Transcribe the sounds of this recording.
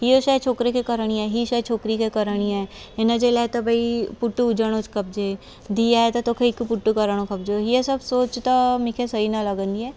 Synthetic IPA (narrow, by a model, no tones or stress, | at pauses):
ɦioʃat͡ʃʰoːkɾekekɐɾəɳ̃iɛɦiʃat͡ʃʰoːkɾikekɐɾəɽ̃iɛ | ɪnəd͡ʒelat̪ɐbʱɐipʊʈːuʊd͡ʒəɽ̃ot͡ʃkɐp̚d͡ʒeː | d̪iaɛt̪ɐt̪oːkʰeɪkːpʊʈːukɐɾəɽ̃okɐpd͡ʒoɦiesɐbsoːt͡ʃt̪amɪkʰesɐɦinalɐɡə̃nd̪iɦɛː